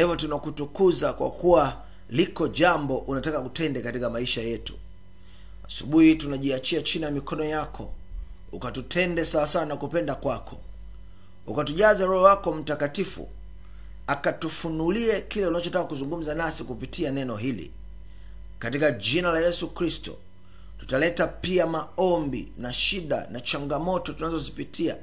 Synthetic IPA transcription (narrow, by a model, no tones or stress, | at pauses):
hivɔtunakutukuzakwa̰kuwa | likɔʄambɔʔunatakakutɛndɛkatikamaiʃajɛtu̥ | asuɓuhitunaʄiat͡ʃiat͡ʃiniamikʰɔnɔjakʰɔ̰ | ṵkatutʰɛndɛsawasawanakupɛndakwakʰɔ̥ | ṵkatuʄazaɾɔhɔwakɔm̩takatifṵ | akatufunuliɛkilɛunat͡ʃɔtakakuzuŋɡum̩zanasikupitʰianɛnɔɦilḭ | katikaʄinalajɛsukɾistɔ̰ | tu̥talɛtapiamaɔmbḭnaʃiɗa̰nat͡ʃaŋɡamɔtɔtunazɔzipitʰia̰